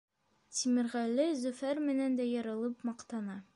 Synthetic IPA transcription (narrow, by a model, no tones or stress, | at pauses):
t̪imɘ̆ɾʁælːɘzʉfæɾmɘ̆nænd̪æjɤ̆ɾɤ̆lˠɤpmɒqt̪ɑnɑ